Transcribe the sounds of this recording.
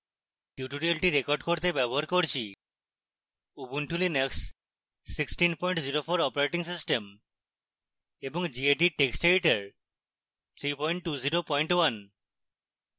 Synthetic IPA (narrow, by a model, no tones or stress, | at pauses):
ʈjuʈuɾialʈiɾekɔɾɖkoɾt̪ebɛboɦaɾkoɾt͡ɕʰi | ubunʈʰulineksː | iksʈinpɔj̃ɳʈziɾopʰoɾɔpaɾeʈiŋsisʈem | eboŋd͡ʒieʈiʈeksʈeiʈaɾ | t̪ʰɾipɔjɳʈːuziɾopɔjɳʈwan